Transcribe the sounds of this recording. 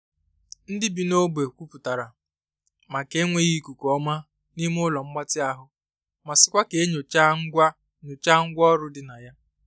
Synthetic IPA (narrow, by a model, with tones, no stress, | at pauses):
n̩˦dɪ˦bi˨no˦be˨kʷu˦pu˨ta˨ɾa˨ | ma˨ke˦ŋʷe˦ɣi˦ku˨kɔ˦ma˦ | ni˦m˦ʊ˦lɔ˨m̩˦ɡ͡ba˦tɪ˦a˦ɦʊ˨ | ma˨sɪ̥˨kʷa˦ke˨˦ɲo˨t͡ʃa˦ŋ̩˦ɡʷa˦ | ɲo˨t͡ʃa˦ŋ̩˦ɡʷɔ˦ɾʊ˦dɪ˦na˨ja˦